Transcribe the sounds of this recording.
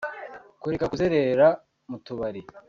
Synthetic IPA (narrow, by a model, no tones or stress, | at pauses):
kuɾekakuzeɾeɾa | mutuβaɾi